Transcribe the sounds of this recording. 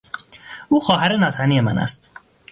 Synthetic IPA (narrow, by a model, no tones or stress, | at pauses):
uːxɒːɦæɾenɒːt̪ʰænijemænæ̰st̪